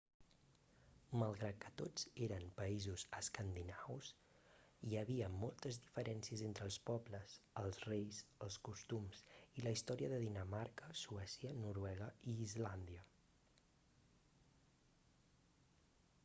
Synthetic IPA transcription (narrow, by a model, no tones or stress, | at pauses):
məlˠɣɾat̪̚kət̪od͡zeɾəmpəizuzəskənd̪inaws | iəβiəmɔlˠt̪əzðifəɾɛnsiəzent̪ɾəːlˠspɔbləz̥əlˠzrejsəlˠskust̪umsiləist̪ɔɾiəðəðinəmaɾkəsuɛsiənuɾwɛɣ̞əiːzland̪iə